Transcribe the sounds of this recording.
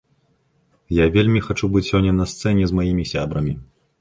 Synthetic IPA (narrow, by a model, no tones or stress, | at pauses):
javʲelʲmʲixat͡ʂubɨt͡sʲsʲɔnʲːɐnɐst̪sɛnʲɛzmajimʲisʲa̰bɾɐmʲi